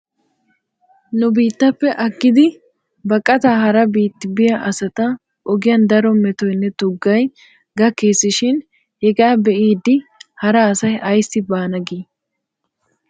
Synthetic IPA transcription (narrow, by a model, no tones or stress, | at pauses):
nʊbiːt̪ːɐpːɛʔɐɡːɪd̪ɪ | bɐkʼːɐt̪ahɐɾɐbiːt̪ːɪbɪjɐʔɐsɐt̪ɐ | ʔɔɡɪjɐnd̪ɐɾɔmɛt̪ɔjnːɛt̪ʊɡːɐj | ɡɐkːeːsːɪʃɪn | hɛɡaːbɛʔiːd̪ːɪhɐɾɐːsɐjʔɐjsɪbaːnɐɡiː